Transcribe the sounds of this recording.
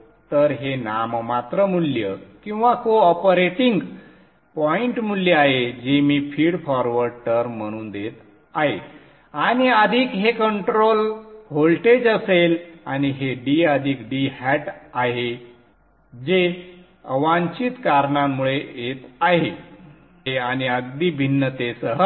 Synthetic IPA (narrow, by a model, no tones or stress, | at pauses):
t̪əɾɦenammat̪ɾəmuljəkĩw̃ʋakoɔpəɾeʈiŋɡ | pɔiɳʈmuljəaɦed͡ʑemiːfiːɽfɔɾʋəɾʈəɾməɽ̃uːnd̪et̪ | aɦe | aɽ̃iəd̪ʱiːkɦekəɳʈɾolɦolʈed͡ʑəselañiɦeɖiəd̪ʱiːkɖiːhɛʈaɦe | d͡ʑe | əʋãɲt͡ɕit̪kaɾɳamːuɭeet̪aɦe | eañiəɡd̪iːbʱinːət̪esəɦə